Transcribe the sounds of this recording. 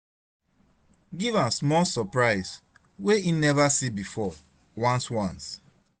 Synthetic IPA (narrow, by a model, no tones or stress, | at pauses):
ɡivãsmɔlsɔpɹaɪs | weinɛvasibifɔ | wãnswãns